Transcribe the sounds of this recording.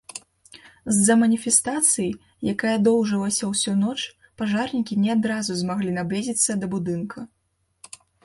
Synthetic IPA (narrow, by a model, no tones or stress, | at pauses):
zzɐmɐnʲifʲɛst̪at̪sɨji | jakajɛd̪ɔwʐɨlˠɐsʲɐwsʲunɔt͡ʂ | paʐarnʲikʲinʲɛad̪ɾazuzmaɣlʲinablʲizʲit̪sːɐd̪ɐbud̪ɨnkʰɐ